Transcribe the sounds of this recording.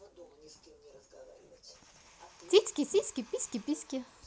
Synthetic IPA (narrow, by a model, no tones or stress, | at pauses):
t͡sit͡skʲisiskʲipiskʲipiskʲi